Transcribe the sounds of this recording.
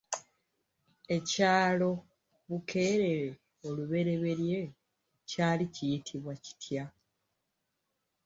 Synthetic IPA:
e̞caːlo̞ | βukʰe̞ːɾe̞ɾe | o̞luβe̞ɾe̞βe̞ɾje̞ | caːlicijitʰiβwaci̥tʰja

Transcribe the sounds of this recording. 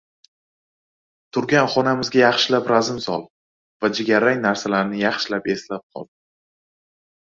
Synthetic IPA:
t̪ʰʊɾɡʲanχɒnamɪzɡʲajɑχʃɪlapɾazɪmsɒlˠ | vad͡ʒɪɡʲaɾaŋnaɾsalaɾnɪjɑχʃɪlape̞slap̚qʰɒ̰lˠd̪

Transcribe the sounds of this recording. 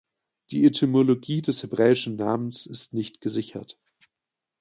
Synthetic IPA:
d̥ḭːetʰymoloɡiːdɛshebʁɛːɪʃn̩naːmənsɪstnɪçtɡ̥əzɪçɐ̰t

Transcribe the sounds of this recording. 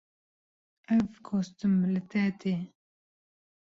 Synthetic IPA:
ʔɛvkʰost̪ɨmlɨt̪ɛt̪ʰeː

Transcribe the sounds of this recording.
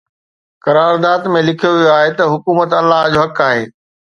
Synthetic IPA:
kɐɾaːɾd̪aːd̪mẽlɪkʰijoʋijoaːɦet̪ɐɦʊkuːmət̪ɐlːaɦd͡ʑoɦɐkaːɦeː

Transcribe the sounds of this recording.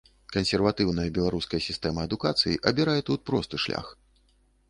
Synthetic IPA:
kɐnsʲɛrvat̪ɨwnɐjɐbʲɛlˠaɾuskɐjɐsʲist̪ɛmɐːd̪ukat̪sɨjiʔɐbʲiɾajɛt̪ut̪̚pɾɔst̪ɨʂlʲa̰x

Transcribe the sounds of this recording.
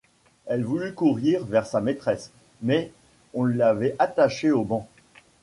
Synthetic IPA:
ɛlvulykuʁiʁvɛʁsamet̪χɛs | mɛ | ɔ̃ləlavɛʔat̪aʃeobɑ̃

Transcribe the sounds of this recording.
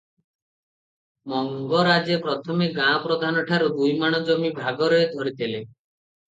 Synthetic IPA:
mɔŋɡɔɾad͡ʒepɾɔt̪ʰɔmeɡãɔpɾɔd̪ʱanɔʈʰaɾud̪ujmaɽ̃ɔd͡ʒɔmibʱaɡɔɾɔed̪ʱɔɾit̪ʰile

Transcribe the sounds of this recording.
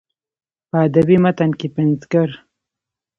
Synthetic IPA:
pəad̪abimat̪ankepɪnzkaɾ

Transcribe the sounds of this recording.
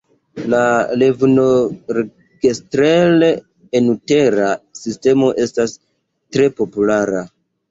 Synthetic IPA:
lale̞vno̞ɾe | ɡ̥estɾeleː | nute̞ɾasiste̞mo̞ʔe̞stas | tɾe̞po̞pulaɾa

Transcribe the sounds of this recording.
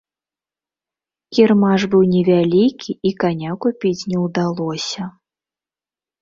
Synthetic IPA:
kʲirmaʐbɨwnʲɛvʲalʲikʲʰiikanʲakupʲit͡sʲnʲɛwd̪alˠɔsʲɐ

